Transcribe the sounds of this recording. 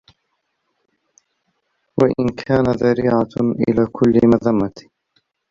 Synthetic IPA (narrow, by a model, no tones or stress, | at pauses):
waʔɪ̰nkʰaːnaðaɾiːʕaʔɪ̰laːkʰʊlːɪmaðamːat̪